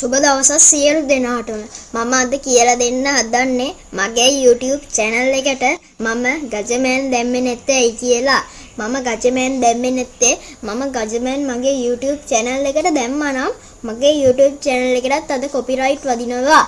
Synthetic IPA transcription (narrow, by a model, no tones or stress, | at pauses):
subəd̪aʋəsasijəlud̪enaːʈunəmaməːd̪əkijəlad̪enːəɦad̪anːe | maɡejuːʈijuːbt͡ʃɛnəlːekəʈə | maməɡad͡ʒəmeɛnd̪ɛmːenɛt̪ːeɛjkijəla | maməɡad͡ʒəmejɛnd̪ɛmːenɛt̪ːemaməɡad͡ʒəmnmaɡeːjuːʈijuːb̚t͡ʃɛnəlːekəʈəd̪ɛmːanamː | aɡeːjuːʈjuːb̚t͡ʃɛnəlːekəʈat̪ːɐd̪əkopiɾaiʈʋad̪inəʋa